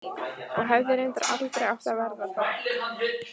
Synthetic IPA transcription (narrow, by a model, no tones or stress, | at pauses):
ɔɣɦɛvðɪɾɪnt̪a̰ɾʔa̰t̪lt̪ɾeaft̪avɛɾðaa